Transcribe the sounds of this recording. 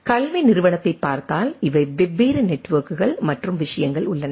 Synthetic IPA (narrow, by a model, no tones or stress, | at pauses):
kɐlmɐɪnɪɾɯʋɐɳɐt̪ːɐɪpːaːɾt̪aːlɪʋɐɪʋɛbeːɾɯnɛʈːʋɐːɾkɯɣɐɭmɐʈrɯmʋɪʂɐjɐŋɡɐɭʊɭːɐnɐ